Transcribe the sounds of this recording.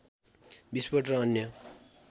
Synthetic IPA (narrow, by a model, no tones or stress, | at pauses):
bispʌʈʌʌnjʌ